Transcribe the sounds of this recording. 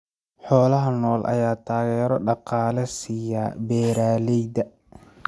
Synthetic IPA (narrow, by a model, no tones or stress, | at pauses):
ħɔːlɐɦɐnɔːlʔɐ̰jaːt̪ʰaːɣɛːɾɔɖɑqɑːlɛsijabɛːɾaːlɛjd̪ɐ